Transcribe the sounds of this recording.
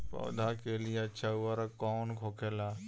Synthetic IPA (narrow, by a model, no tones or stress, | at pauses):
pɔ̰ːd̪ʱakelijeɐtːʃʰaʊaɾakɔːnkʰoːkʰelaː